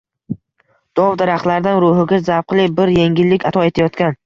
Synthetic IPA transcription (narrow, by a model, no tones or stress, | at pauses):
d̪̥ɒvd̪aɾaχt̪laɾd̪anɾʊɦɪɡʲazawqlˠɪbɪɾje̞ŋʲɪlːɪkʲat̪ʰɒe̞t̪ʰajɒt̪kʲan